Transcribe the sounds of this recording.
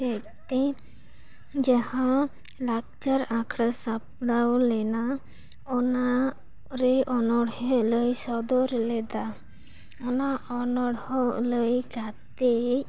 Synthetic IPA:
ɛ | t̪e | d͡ʒahã | lak̚t͡ʃaɾãkʰɽasap̚ɽawlɛna | ɔna | ɾɛʔɔnɔɽhɔləjsɔd̪ɔɾɛlɛd̪a | ɔnaʔɔnɔɽhɔləjɡat̪e

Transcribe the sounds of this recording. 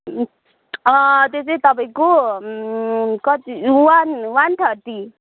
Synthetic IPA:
t̪eset̪ʌpaĩko | kʌt̪iwanwanʈ̪ʰʌɾt̪i

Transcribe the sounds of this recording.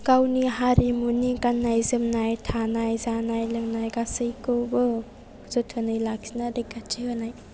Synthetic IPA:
kawniɦaɾimunikanːajzɯmnajtʰanajzanajlɯŋnajɡasɯjkɯwbɯ | zotʰɯnɯjlak̚sinaɾekːat͡ʃʰihɯnaj

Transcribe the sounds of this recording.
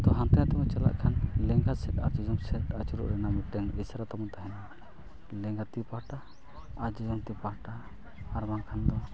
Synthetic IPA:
t̪ɔɦãnt̪ɛjat̪ɛmɛt͡ʃala̰ʔkʰanlɛŋɡasɛʈa̰ɾd͡ʒɔd͡ʒɔmsɛʈat͡ʃuɾṵʔɾɛnamiʈɛŋɛsɾat̪amɔnt̪aɦɛna | lɛŋɡat̪ipaʈaː | d͡ʒɔd͡ʒɔmt̪ipaʈaː | ɾmaŋkʰand̪ɔ

